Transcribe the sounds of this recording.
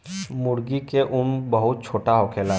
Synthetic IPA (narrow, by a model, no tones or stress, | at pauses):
mʊɽɡikeʔʊmbəɦʊt̪̚t͡ʃʰoːʈaɦoːkʰeːla